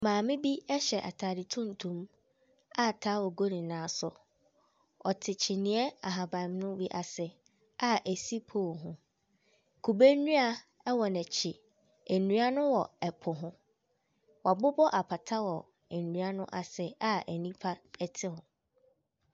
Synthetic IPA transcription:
mãː˨mɪ̃˦bi˦ɛ˦ɕɛ˨ʔa̰˨tʰaː˨dɪ˨tʰũ˦n˨tʰũ˦m | a˦˨tʰaː˨˦wɔ˨ɡo˦nĩ˨nãː˨˦sʊ˨ | ɔ˨tʰɪ˨t͡ɕʰɪ˨nĩ˨ɛ˦a˨ɦa˨bã˨m˦nʊ̃˦wi˦ʔa˨sɛ˨ | a˦ʔæ˨si˦pʰo˦˨ɦʊ̃˦ | kʰu˨be˦nũ˦a˨ | ɛ˦wɔ˨nɛ̃˨t͡ɕʰɪ˨ | æ˨nũ˨˦a˦nʊ̃˦wɔ˨ɛ˨pʰʊ˨ɦʊ̃˦ | wa˨bʊ˦bɔ˦ʔa˨pʰa˨tʰa˦wɔ˨ | æ˨nũ˨a˦nʊ̃˦ʔa˨sɛ˦a˦æ˨nĩ˦pʰa˦ɛ˦tʰɪ˦hʊ̃˨

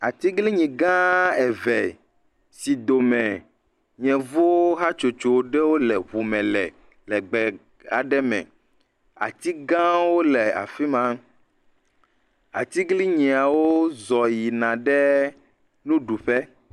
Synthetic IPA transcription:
a˨t̪i˦ɡli˦ɲĩ˨ɡã˦ɛ˨vɛ˨ | si˨d̪o˨mɛ̃˨ | ɲɛ̃˨vo˦ɦa˦t͡ʃo˨t͡ʃo˨ɖɛ˦wo˦lɛ˨βu˨mɛ̃˨lɛ˨ | lɛ˨ɡ͡bɛ˨ | a˨ɖɛ˦mɛ̰̃˨ | a̰˨t̪i˦ɡã˦wo˦lɛ˨a̰˨fi˦mã˦m | a̰˨t̪i˦ɡli˦ɲĩ˨a˨wo˦zɔ˨ji˨nã˨ɖɛ˦ | nũ˦ɖu˨ɸɛ˦

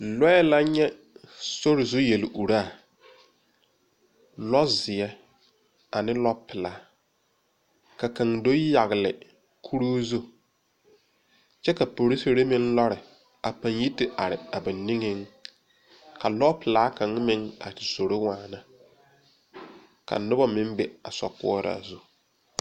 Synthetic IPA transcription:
lɔ˦ɛ˦la˦ɲɛ˦ | so˦ɾɪ˨zʊ˦je˨lɪ˨ʔu˨ɾa˦˨ | lɔ˦zɪ˨ɛ˦ | a˨nɪ˦lɔ˦pʰɪ˨laː˨˦ | ka˨ka˨ŋdo˦ja˨ɣɪ˨lɪ̰˨ | kʰu˦ɾoː˦zu˦ | t͡ʃɛ˦ka˨po˨ɾi˦si˨ɾɪ˦mɪ˦n˦lɔ˦ɾɪ˨ | a˨pa˨nji˦tɪ˦ʔa˨ɾɪ˨a˨bɪ˨nɪ˦ŋɪ˦ŋ | ka˨lɔ˦pɪ˨laː˨˦kã˨ŋ˦mɪ˦ŋa̰˨tɪ˨so˨ɾo˦waː˨na˦ | ka̰˨nʊ˦bɔ˦mɪ˦mbɪ˨a˨sɔ̰˨kʊ̰˦ɔ˦ɾa̰˨zu˦

